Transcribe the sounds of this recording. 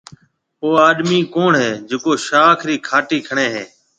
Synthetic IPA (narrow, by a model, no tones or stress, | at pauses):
poːaːɗmiːkoːɳɦeːd͡ʒɪkoːʃaːkʰɾiːkʰaːʈiːkʰəɳẽːɦẽː